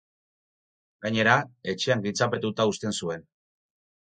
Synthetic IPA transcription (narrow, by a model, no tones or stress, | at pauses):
ɡaɲe̞ɾae̞t͡ʃe̞aŋɡit͡sape̞t̪ut̪aust̪e̞nsue̞n